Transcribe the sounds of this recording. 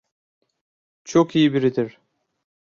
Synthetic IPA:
t͡ʃʰokijibiɾid̪iɾ̥

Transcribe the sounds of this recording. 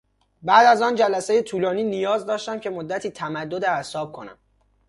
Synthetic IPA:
bæːd̪æzɒːnd͡ʒælæseje̞t̪ʰuːlɒːniːnijɒːzd̪ɒːʃt̪æmcʰe̞mod̪ːæt̪ʰiːt̪ʰæmæd̪ːod̪eæsɒːb̥̚kʰo̞næ̰m

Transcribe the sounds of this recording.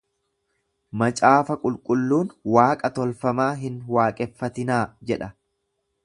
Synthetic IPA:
mɐt͡ʃʼaːfɐkʼʊlkʼʊlːuːnwaːkʼɐt̪ɔlfɐmaːɦɪnwaːkʼɛfːɐt̪ɪnaːd͡ʒɛᶑɐ

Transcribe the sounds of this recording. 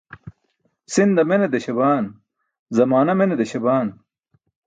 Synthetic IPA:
sind̪ɐmened̪ɐɕɐbaːn | zɐmaːnɐmened̪eɕɐbaːn

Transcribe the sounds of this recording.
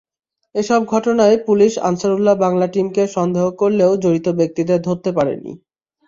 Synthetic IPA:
eʃɔb̚ɡʱɔʈonaepuliʃa̰nsaɾulːabaŋlaʈimkeʃɔnd̪eɦokoɾleod͡ʑoɾit̪obek̚t̪id̪ed̪ʱoɾt̪epaɾḛnḭ

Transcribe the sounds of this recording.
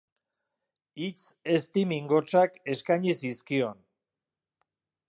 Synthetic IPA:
it͡se̞st̪imiŋɡo̞t͡ʃake̞skaɲisiskio̞n

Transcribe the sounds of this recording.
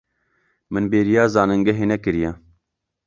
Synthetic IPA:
mɨnbeːɾijɑːzɑːnɨŋɡɐɦeːnɛkɨɾijɛ

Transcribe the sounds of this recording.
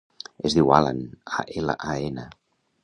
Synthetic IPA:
ezðiwalə̰na̰ʔelə̰ʔaenə

